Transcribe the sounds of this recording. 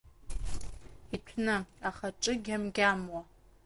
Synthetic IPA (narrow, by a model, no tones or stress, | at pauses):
itʷʰnɐaχɐʈ͡ʂʼɨɡʲɐmɡʲaːmwɐ